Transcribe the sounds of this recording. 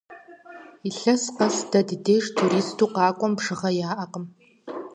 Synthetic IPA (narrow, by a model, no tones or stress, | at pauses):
iɬɐsqɐsdɐddeːʐtʰuɾiːstʰuːqɑːkʷʼɔmbʐɨʁɐjaːʔɐqəm